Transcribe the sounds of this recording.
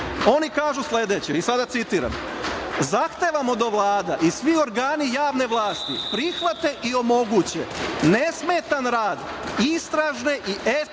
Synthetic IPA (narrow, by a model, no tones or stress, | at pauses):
o̞nikaːʒusled̪et͡ɕeisad̪at̪sit̪iɾa̰m | zaxt̪eʋamo̞d̪o̞ʋlˠaːd̪aʔisʋio̞ɾɡaːnijaːʋne̞ʋlˠaːst̪ḭpɾixʋat̪e̞ʔio̞mo̞ɡuːt͡ɕḛnesmet̪anɾaːd̪ | ist̪ɾaʒne̞ʔiʔe